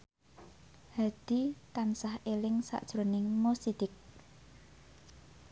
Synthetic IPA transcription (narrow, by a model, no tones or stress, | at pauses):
had̪̥i̤t̪ansahʔelɪŋsa̰ʔd̥ʒ̥ɾonɪŋmosid̪̥ɪk̚